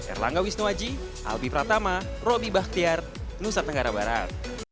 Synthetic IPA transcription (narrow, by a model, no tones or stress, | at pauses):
ka̰rla̰ŋɡawisnuad͡ʒi | ʔa̰lbipɾat̪ama | rɔbibah̚t̪iar | nusat̪əŋɡaɾabaɾa̰t̪̚